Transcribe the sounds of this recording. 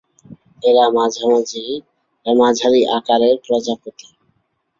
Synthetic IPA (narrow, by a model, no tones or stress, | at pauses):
eɾamad͡ʑʱamad͡ʑi | mad͡ʑʱaɾiʔakaɾeɾkɾɔd͡ʑakot̪i